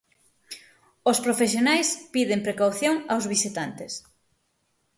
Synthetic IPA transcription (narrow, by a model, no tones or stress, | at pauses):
ospɾofesjonajspiðɪmpɾekawθjoŋawzβisit̪ant̪es